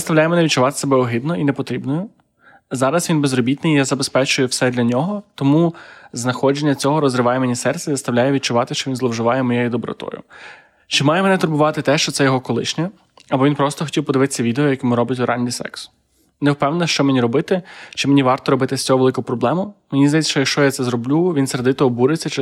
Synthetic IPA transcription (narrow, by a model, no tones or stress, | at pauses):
st̪ɐwlʲajɛmɛnɛʋʲit̪̚t͡ʃʊʋɑt̪ɪ̥sɐbɛɔɦɪd̪nɔinepɔt̪ɾʲibnɔjʊ | zɑɾɐsʋinbezrɔbʲit̪nɪjjazɐbespɛt͡ʃʊjʊwsɛd̪lʲɐnʲɔɦɔt̪ɔmuznɐxɔd͡ʒenʲːɐt͡sʲɔɦɔɾɔzɾɪʋɑjɛmenʲisɛrt̪sʲɛjizɐst̪ɐʋwlʲajɛʋʲit̪̚t͡ʃʊʋɑt̪ɪʃt͡ʃɔʋʲinzlˠɔwʒɪʋɑjɛmɔjejid̪ɔbɾɔ̰t̪ɔ̰jʊ̰ | t͡ʃɪmɑjɛmenɛt̪ʊrbʊʋɑt̪ɪt̪ɛʃt͡ʃɔt̪sɛjɔɦɔkɔlˠɪ̰ʃnʲɛ | ɐbɔʋʲinpɾɔst̪ɔxɔ̥tʲiwpɔd̪ɪʋɪt̪ɪ̥sʲːɐʋʲid̪eɔjɐkɪmʊɾɔbʲɪtʲʋealʲnʲisɛ̰ksʊ̥ | newpɛwnnɐʃt͡ʃɔmenʲiɾɔbɪt̪ɪt͡ʃɪmenʲiʋɑrt̪ɔɾɔbɪt̪ɪsʲt͡sʲɔɦɔʋelˠɪkʊpɾɔblˠɛmʊmenʲizd̪ɐjitʲt͡s̪ʲɐʃt͡ʃɔjɐkʃt͡ʃɔjat̪sɛzɾɔblʲuʋʲinsɾed̪ɪt̪ɔɦɔbuɾɪt͡sʲːɐt͡ʃɪ